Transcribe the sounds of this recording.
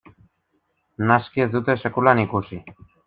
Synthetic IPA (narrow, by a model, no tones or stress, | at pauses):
naskiezd̪ut̪e̞se̞kulanikusi